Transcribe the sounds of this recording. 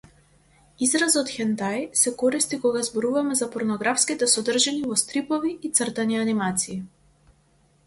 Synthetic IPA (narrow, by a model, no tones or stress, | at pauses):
izɾazɔt̪xɛnt̪ajsɛkɔɾist̪ikɔɡazbɔɾuvamɛzapɔɾnɔɡɾafskit̪ɛsɔd̪r̩ʒɛnivɔst̪ɾipɔviːt̪srt̪anianimat̪siː